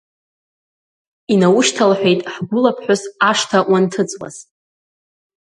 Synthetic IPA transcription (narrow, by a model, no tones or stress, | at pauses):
inawʊʃtʰalħʷᶣe̞jtʼħɡʷʊlapʰħʷᶣʊsaʂtʰawʔantʰɨt͡sʼwa̰z̥